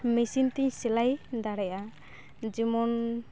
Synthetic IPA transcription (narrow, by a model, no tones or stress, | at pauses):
misint̪iɲsɛlajd̪aɾɛja | d͡ʒimɔn